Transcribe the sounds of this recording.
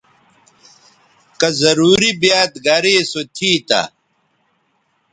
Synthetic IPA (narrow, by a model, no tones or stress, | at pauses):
kɐzɐɾuːɾibjaːt̪ɡɐɾeːsot̪ʰiːt̪a̰